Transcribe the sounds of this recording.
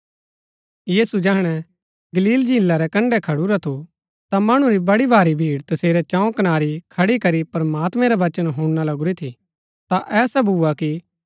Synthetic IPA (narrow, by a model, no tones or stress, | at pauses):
jiːsud͡ʒɛːɦɽ̃ɛ | ɡɐliːld͡ʒĩːlːaɾɛkɐ̃ɳɖɛkʰɐɽuɾat̪ʰu | t̪amɐɽ̃ũɾibɐɽibʱaːɾibʱiːɽt̪ɐseːɾɛt͡ʃãːõkɐnaːɾikʰɐɽikɐɾipɾɐmaːt̪mɛ̃ɾɛʋɐt͡ʃənɦũːnalɐɡuɾit̪ʰi | t̪aʔɛːsɛbʱuːaki